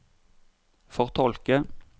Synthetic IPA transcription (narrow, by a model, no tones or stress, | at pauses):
fɔʁt̪ʰɔlkə